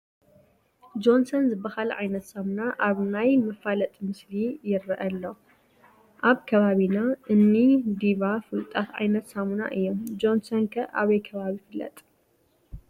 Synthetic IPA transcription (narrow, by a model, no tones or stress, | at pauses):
d͡ʒo̞nsonzɨbɐhalʕa̰jnɐt̪samunaʔaβnajmɐfalɐt̪ʼmɨslijɪɾɐʔɐlːo | ʔaβkʰɐβaβinaʔɨnːid̪iβafɨlt̪ʼat̪ʕa̰jnɐt̪samuna̰ʔɨjːomd͡ʒo̞nsonkʰɐʔa̰βɐjkʰɐβaβifɨlːɐ̰t̪ʼ